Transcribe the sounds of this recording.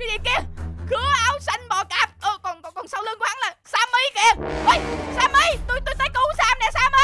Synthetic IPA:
i˧˦ɗi˨˩ki˧əkɨ˨˦əʔaː˨˧wsa˧jŋ̟ɓɔ˨˩kaː˨˩p̚o˧kɔ˨˩nkɔ˨˩kɔ˨˩nsa˧wlɨ˧əŋkha˨˦nlaː˨˩saː˧mːə˧˦jkɛ˧˩əʔə˨˦jsaː˧mʔə˧˦jt̪o˧jt̪u˧jt̪ʰə˨˦jku˨˦saː˧mnɛ˨˩saː˧mʔə˧˦

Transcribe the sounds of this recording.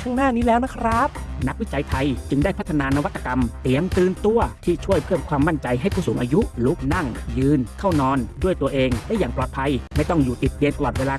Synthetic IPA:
kʰaː˥˩ŋnaː˥˩niː˦˥lɛː˦˥wna˦˥kʰɾa˦˥p̚na˦˥k̚wi˦˥t͡ɕa˧jt̪ʰa˧jt͡ɕɯ˧ŋdaː˥˩jpʰa˦˥t̪ʰːa˧naː˧na˦˧wa˦˥t̪ʰːa˧ka˧mt̪i˨˩˦əŋt̪ɯː˧nt̪u˧ɐt̪ʰiː˥˩t͡ɕʰu˥˩əjpʰɯ˥˩əmkʰwaː˧mːa˥˩nt͡ɕa˧jɦa˥˩jkʰuː˥˩suː˩˦ʔaː˧ju˦˥ʔlu˦˥k̚na˥˩ŋjɯː˧nkʰa˥˩wnɔː˧ndu˥˩əjt̪u˧ɐʔeː˧ŋlɛ˦˥jaː˨˩ŋplɔː˨˩t̪̚pʰa˧jma˥˩jt̪ɔ˥˩ŋjuː˨˩t̪i˨˩t̪̚li˧nt̪a˧lɔː˨˩t̪̚weː˧laː˧

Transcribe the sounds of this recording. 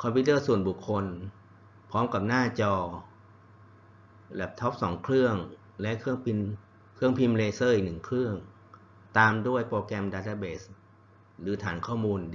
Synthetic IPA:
kʰɔ˧mpʰiː˦˧˥t̪̬ɤː˥˩su˨˩ənbu˨˩kʰːo˧n | pʰɔː˦˥mka˨˩p̚naː˥˩t͡ɕɔː˧ | bɛː˨˩p̚t̪ʰɔ˦˥p̚sɔː˩˦ŋkʰlɯ˥˩əŋ | lɛ˦˥ʔkʰɯ˥˩əŋpʰi˧n | kʰɯ˥˩əŋpʰi˧mleː˧sɤː˥˩˨nɯ˨˩ŋkʰɾɯ˥˩əŋ | t̪aː˧mdu˥˩əjpoː˧kɛː˧mdaː˧t̪ʰaː˧beː˨˩s | lɯː˩˦t̪ʰaː˩˦nkʰɔː˥˩muː˧n

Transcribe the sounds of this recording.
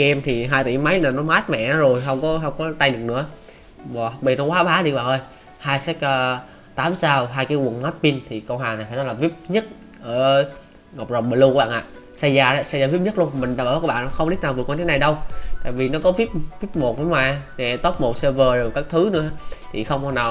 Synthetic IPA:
ɛ˧mt̪ʰi˨˩ɦaː˧jt̪ḭ˧˩mə˨˦jnaː˨˩nɔ˨˦maː˦˥t̚mɛ̰˧˨nɔ˨˦zo˨˩jɦə˧wŋ͡mkɔ˨˦ɦə˧wŋ͡mkɔ˨˦t̪a˧jɗɨ˨˩ək̚nɨ̰˧˥ə | va˨˩hk͡p̚ɓi˧˩nɔ˨˦waː˨˦ɓaː˨˦ɗi˧˩kɓaː˧˩ŋʔəː˧j | haː˧jsɛ˦˥k̚ː | t̪aː˨˦msaː˧wɦaː˧jkaː˨˦jwə˨˩nmaː˦˥t̚pi˧nt̪ʰi˨˩kə˧wɦwaː˨˩ŋna˨˩jfaː˨˩nɔ˨˦laː˨˩vi˦˥əp̚ɲə˦˥t̚ | ʔəː˧˩ | ŋə˨˩k͡p̚zə˨˩ŋ͡mɓəː˨˩lu˧ku˧˦ɓa̰ː˧˨ʔa̰ː˧˨ | sa˧jzaː˧ɗa˨˦sa˧zaː˧vi˦˥p̚ɲə˦˥t̚lu˧ənmï˨˩ŋ̟ɗaː˧˩maː˨˧˨kːɓa̰ː˧˨nɔ˨˦xə˧ŋ͡mɗi˦˥t̚naː˨˩vɨ˨˩əkːɲi˧t̪ʰna˨˩jɗə˧wt̪aː˧˨jvi˨˩nɔ˨˦kɔ˨˦vi˦˥p̚vi˦˥p̚mo˨˩t̚nɔ˨˦waː˨˩jnɛ˨˧˩t̪o˦˥p̚mo˨˩t̚se˧vəː˨˩zo˨˩jkaː˦˥k̚t̪ʰɨ˨˦nɨ̰˧˥ə˦˧˦t̪ʰi˨˩xə˧wŋ͡mmɔ˨˩naː˨˩w

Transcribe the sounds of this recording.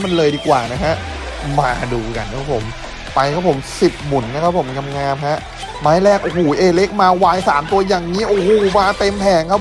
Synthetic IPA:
ma˧nlɤː˧jdiː˧kwaː˨˩na˦˥kʰa˦˥ʔ | ma̰ː˧duː˧ka̰˧nkʰaː˦˥pʰo̰˨˩˦m | pa˧jkʰa˦˥pʰo˩˦msi˨˩p̚mu˨˩˦nːa˦˥kʰa˦˥pʰo˩˦mka˧mŋaː˧mha˦˥ʔ | maː˧˥˦jlɛː˥˩k̚ʔo˨˧˩oː˩˦ʔeː˧le˦˥k̚maː˧waː˧jsaː˩˦mt̪u˧ɐjaː˨˩ŋŋiː˦˥ʔoː˧˩hoː˨˩maː˧t̪e˧mpʰɛː˨˩ŋkʰa˦˥p̚ʰ

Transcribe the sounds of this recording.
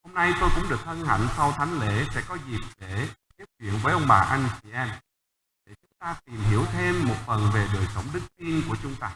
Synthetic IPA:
ho˧mna˧jt̪o˧jkʊ̰˧˥ŋ͡mɗɨ˨˩ək̚hə˧nha̰˧˨ŋ̟sa˧wt̪ʰa˨˦jŋ̟lḛ˧˨sɛ̰˧˥kɔ˨˦zi˨˩t̚ɗe˧˩k̪i˦˥t̚t͡ɕwḭ˧˨ənvəː˨˦jʔə˧wŋ͡mɓaː˨˩ʔa˧jŋ̟t͡ɕi˧ʔɛ˧n | ɗe˧˩t͡ɕʊ˨˦ŋ͡mt̪aː˧t̪i˨˩mɦi˧˩əwt̪ʰe˧mːo˨˩t̚fə˨˩nve˨˩ɗəː˨˩jsə˨˦wŋ͡mɗɨ˦˥k̚t̪i˧nku˧˩ət͡ɕʊ˨˦ŋ͡mt̪aː˧

